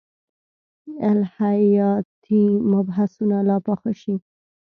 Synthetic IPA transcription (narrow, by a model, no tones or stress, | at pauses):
elhaɑt̪ʰimabɦasunalɑpaxəʃi